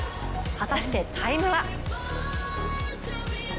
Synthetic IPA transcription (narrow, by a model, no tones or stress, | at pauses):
hat̪aɕi̥t̪e̞t̪ʰaimɯ̟βa